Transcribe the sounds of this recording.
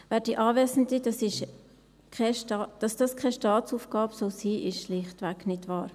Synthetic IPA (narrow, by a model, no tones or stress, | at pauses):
vɛːɾd̥iʔɑːʋɛːsn̩did̥ɑsɪʃ | kʰɛʃtɑd̥ɑsd̥ɑskʰɛʃtɑːt͡suːfɡ̥ɑːbsoʊsiːʔɪʃʃlɪχtʋæknɪdvɑːɾ